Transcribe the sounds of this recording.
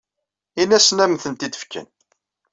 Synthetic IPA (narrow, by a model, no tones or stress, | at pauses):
inæsnæmθənt̪id̪ə̥fkə̰n